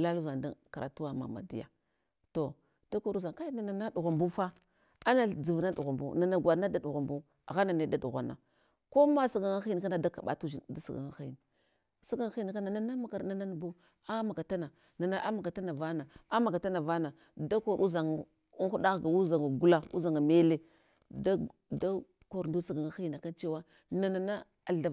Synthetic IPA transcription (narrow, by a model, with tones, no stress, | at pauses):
la˦lu˦za˨nda˦ka˨ɾa˨tu˦wa˦ma̰˨ma̰˨dḭ˦ja̰˨ | to˨ | d̥a˦ko˦ɾu˦za˨ŋka˦na˨na˨na˦du˨ɣa˨mbu˦fa˦ | a˦na˨d͡zi˨vna˦ɗu˨ɣa˨mbṵ˦na˨na˨ɡʷa˨ɾna˦da˨ɗu˨ɣa˨mbu˦˨ | ɣa˦na˨ne˦da˦˨du˨ɣʷa˨na˨ | ko˦ma˦sa˨ɡa˨ŋa˦xi˦n˨ka˦na˦da˦ka˨ɓa̰˨tu˦d͡ʒi˨da˦sa˨ɡa̰˨ŋa˦xi˦˨n˨ | sa˦ɡa˦ŋ˦xi˦n˨ka˦na˨na˦na˦ma˨ka˨ɾna˨na˦n˨bu˦ | a˦ma˨ka˨ta˦na˨ | na˨na˦ʔa˦ma˨ka˨ta˦na˨va˦na˨a˦ma˨ka˨ta˦na˨va˦na˨ | da˦ko˦˨ɾu˦za˨ŋ˨ | u˦ŋxu˦da˦ɣɡa˨u˦za˨ŋa˨ɡu˦la˦ṵ˦za˨ŋa˨me˦le˦ | da˦da˦ | ko˨ɾndu˦sa˦ɡa˨ŋa˦xi˦na˨ka˦nt͡ʃe˦wa˦ | na˨na˨na˦ | a˨ɬda˨